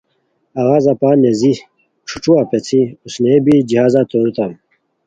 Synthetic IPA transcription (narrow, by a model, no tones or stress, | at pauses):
ɐɣaːzapaːnezi | ʈ͡ʂʰu̥ʈ͡ʂuapet͡sʰiusnebid͡ʑihaːzat̪onut̪am